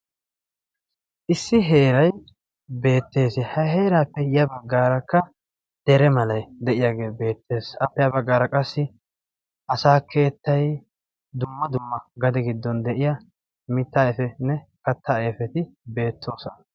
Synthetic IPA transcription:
ʔɪsːɪɦe̞ːɾɐj | be̞ːt̪ːe̞ːsɪhɐɦeːɾaːpːɛjɐbɐɡːaːɾɐkːɐ | d̪̥ɛɾɛmɐlɐjd̪ɛʔɪjaːɡe̞ːbe̞ːt̪ʰːe̞ːsɐpːɛjɐbɐɡːaːɾɐkʼɐsːɪ | ʔɐsaːkʰe̞ːt̪ːɐj | d̪ʊmːɐd̪ʊmːɐɡɐd̪ɛɡɪd̪ːɔnd̪ɛʔɪjɐ | mɪt̪ːaːɛfɛnɛkɐt̪ːaːɛfɛt̪ɪbe̞ːt̪ʰːo̞ːsɔnɐ

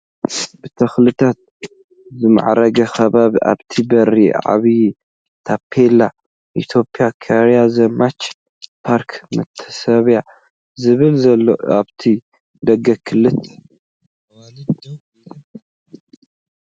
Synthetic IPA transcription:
b̥ɨt̪ʰɐxlɨt̪ʰat̪̚ | zɨma̰ʕɾɐɡɐxɐβaβiʔa̰βt̪ʰibɐɾiʕa̰βi | t̪ʰapʰːela | ʔit̪ʰo̞pʰiakʰɐɾjazɐmat͡ʃ | pʰaɾkʰmɨt̪ʰːɐ̥sɐβja | zɨβɨlzɐlːoaβt̪ʰi | d̪ɐɡɐkʰɨlːɨt̪ʰː | l

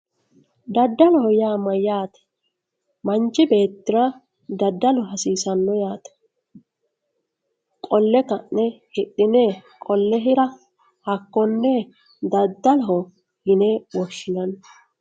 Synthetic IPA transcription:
d̪ɐd̪ːɐlɔhɔjaːmɐjaːt̪ɛ̥ | mɐnt͡ʃːɪbe̞ːt̪ːɪɾɐ | d̪ɐd̪ːɐlɔɦɐsiːsɐnːɔjaːt̪ɛ̥ | kʼɔlːɛkɐʔnɛhɪɗːɪnɛkʼɔlːɛɦɪɾɐ | hɐkːɔnːɛ | d̪ɐd̪ːɐlɔɦɔ | hɪnewɔʃːɪnɐn

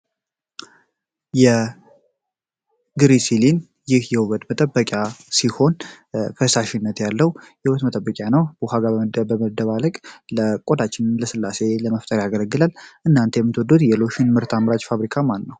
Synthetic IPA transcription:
jɛ | ɡɨɾisilin | jɪhjɛwuβət̪mət̪ʼəbːəkʼjasiho̞n | kʰəsaʃɪnːət̪jalːəwjɛhuβət̪mət̪ʼəbːəkʼjanəwbəɦaɡabəməd̪əβaləkʼləkʼo̞d̪at͡ʃːɪnɨnləsɨlːase̞ləməft̪ʼəɾaɡələɡːɨlalʔɨnːant̪ʰejɛmːɨt̪wɔd̪ːot̪jɛlo̞ʃɪnmɨɾt̪ʰamɾat͡ʃfaβɾikʰamanːəw

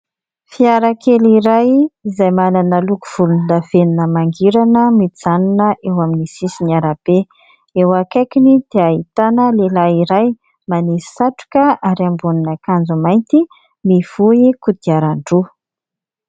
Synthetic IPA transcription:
fiaɾakʰeliɾajizajmananəluku̥v̥ulunlav̥eninəmaŋɡiɾanəmid͡zanunəʔewaminisisinaɾab̥e | ewakajkinid̪̥eaɦit̪anəlelaiɾaj | manisaʈ͡ʂu̥kəaɾambuninakand͡zumajnt̪i | miv̥uikud̪̥iaɾaɳɖ͡ʐu

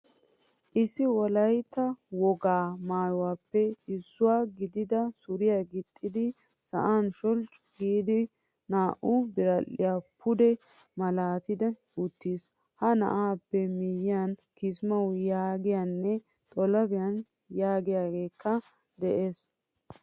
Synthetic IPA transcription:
ʔɪsɪwɔlɐjt̪ːɐwɔɡaːmaːjʊwaːpːɛɪsːʊwaːɡɪd̪ɪd̪ɐsʊɾɪjaɡɪt̪ʼːɪd̪ɪ | sɐ̰ʔanʃɔlt͡ʃʼɡiːd̪ɪ | naːʔʊbɪɾɐlːɪ̰jaːpʰʊd̪ɛ | mɐlaːt̪ɪd̪ɛ | ʊt̪ːiːs | hɐnɐ̰ʔaːpːɛmɪjɪjankɪsmɐwjaːɡɪjanːɛ | t̪ʼɔlɐbɪjan | jaːɡɪjaːɡe̞ːkʰːɐ | d̪ɛʔeːs

